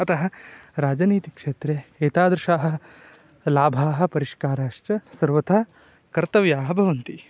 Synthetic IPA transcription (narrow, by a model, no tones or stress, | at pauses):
ɐt̪ɐɦɐɾaːd͡ʒɐniːt̪ikʂeːt̪ɾeeːt̪aːd̪ɾɐʂaːɦɐ̆ | laːbʱaːɦɐ̆pɐɾiʃkaːɾaːʂt͡ʃɐsɐɾʋɐt̪ʰaː | kɐɾt̪ɐʋjaːɦɐbʱɐʋɐnt̪i